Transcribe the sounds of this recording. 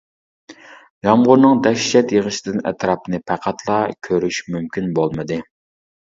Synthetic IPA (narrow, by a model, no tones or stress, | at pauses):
jɑmʁʊɾnɨŋd̪ɛʃːɛt̪jəʁəʃɪ̥d̪ɨnɛ̰t̪ɾɑpnɨpʰæqʰæt̪ʰlˠɑkʲʰøɾyʃmymkʲʰinbolˠmɨd̪ɨ